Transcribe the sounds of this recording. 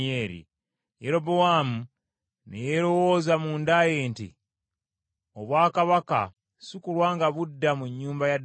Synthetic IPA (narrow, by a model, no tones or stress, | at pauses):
e̞ːɾḭ | jeɾo̞bowaːmu | nḛjeɾo̞wo̞ːzamuːndajeːntḭ | oβwaːkaβaka̰ | sikulwaːŋɡaβudːamuɲːuːmbajad